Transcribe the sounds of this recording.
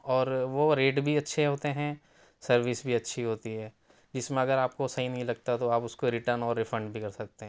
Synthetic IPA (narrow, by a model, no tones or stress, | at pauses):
ɔːɾʋoɾeːʈbʱiɐtːʃʰeɦoːt̪eɦɛ̃ | sɐɾʋisbʱiɐtːʃʰiɦoːt̪iɦɛː | d͡ʒɪsmẽɐɡəɾaːp̚kosɐɦinɐɦĩlɐɡt̪at̪oaːpʊskoɾɪʈəɾnɔːɾːɪfʰə̃ɳɖbʱikɐɾsɐk̚t̪eɦɛ̃ː